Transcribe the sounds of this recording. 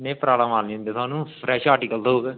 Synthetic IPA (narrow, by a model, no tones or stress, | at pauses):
nẽːpɾaːbɽamaːlnĩːnd̪eːt̪ʊaːnũːpʰɾɛːʃaːɾʈiːkəlt̪ɦoːɡeː